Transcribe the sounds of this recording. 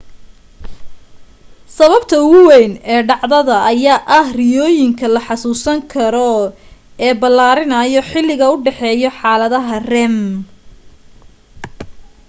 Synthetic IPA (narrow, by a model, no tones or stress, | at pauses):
sɐβɐbt̪ʰɐʊɣʊwɛjnɛːɖɑʕðɐðɐʔːjaːʔɐhrɪjɔːjɪŋkʰɐlɐħɑsuːsɐŋkʰɐɾɔ | ɛːbɐlːaːɾɪnɐjɔħɪlːɪɣɐʊɖɛħɛːjɔħɑːlɐðɐɦɐrɛm